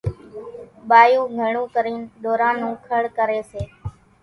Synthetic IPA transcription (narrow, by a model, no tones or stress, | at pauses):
ɓaːjũːɡʱəɳũːkəɾiːnɗ̪oːɾãːnũːkʰəɭkəɾeːseː